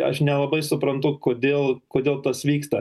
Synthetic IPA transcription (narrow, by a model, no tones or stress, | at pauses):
ɐ̰ʃnʲɛlˠɐbɐɪsʊpɾɐnt̪ʊkoːd̪ʲeːlˠkoːd̪ʲeːlˠt̪ɐsʋʲiːkst̪ɐ